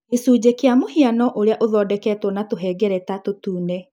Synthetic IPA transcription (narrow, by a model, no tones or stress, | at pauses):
esuːd͡ʑekeamohianɔʔoɾeaʔoðɔːdɛkɛːtwɔnatoɦɛːɡɛɾɛtatotuːnɛ